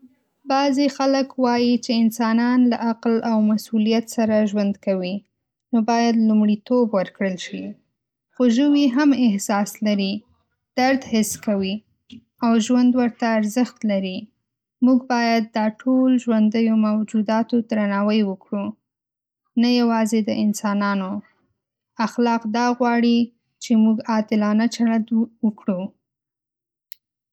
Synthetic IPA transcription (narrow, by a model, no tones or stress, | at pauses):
bɑzexaləkwɑjit͡ʃeɪnsɑnɑnla̰ʔaqlawmasulijat̪saɾaʒwand̪kawi | nobɑjad̪lumɽit̪obwəɾkɽəlʃi | xoʒəwiɦamɪhsɑslaɾi | d̪̥aɾd̪hɪskawi | awʒwand̪wəɾt̪aːɾzəxt̪laɾi | muɡbɑjad̪̚ːɑʈʰolʒwand̪əjomawd͡ʒud̪ɑt̪ot̪ɾanɑwəjwəkɽu | najawɑzed̪əʔɪnsɑnɑno | axlɑqd̪ɑɣwɑɽi | t͡ʃemuɡɑt̪ɪlɑnat͡ʃaɽad̪wəkɽu